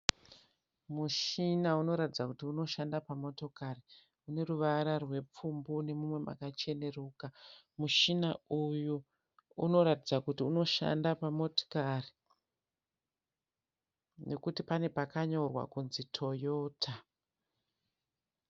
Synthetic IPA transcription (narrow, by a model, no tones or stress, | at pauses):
muʃinauno̞ɾatid͡zakutiuno̞ʃandapamo̞to̞kari | une̞ruʋaɾarwe̞p͡fumbune̞mumwe̞ma̰kat͡ʃe̞ne̞ruːka | muʃinauju | uno̞ɾatid͡zakutiuno̞ʃa̰ndapamo̞to̥kari | ne̞kutipane̞pakaɲorwa̰kunzitʰo̞jo̞ːtʰa